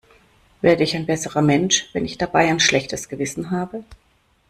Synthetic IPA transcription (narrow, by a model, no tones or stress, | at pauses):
v̥eːɐdəɪçaɪnbɛsəʁɐmɛnʃv̥ɛnɪçd̥abaɪaɪnʃlɛçtʰəsɡ̥əvɪsn̩ɦaːbə